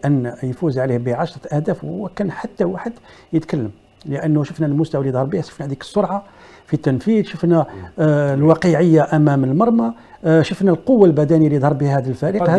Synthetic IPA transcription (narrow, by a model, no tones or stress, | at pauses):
ʔənːjfuzʕlihbiʕɑʃɾˤɑt̪ʔæhd̪æfwːækænħat̪ːæwaħəd̪jət̪kælːəm | ləʔənːʊʃəfnælmʊst̪awælijd̪ˤhɑɾˤbihæʃə̥fnæhæd̪ikə̥sˤːoɾˤʕɑ | fit̪ːənfid̪ʃəfnæ | lwɑqəʕəjːaʔæmæməlmɑɾˤmɑ | ʃəfnælqowːalbæd̪æniːalijd̪ˤhɑɾˤbihhæd̪ilfæɾiqh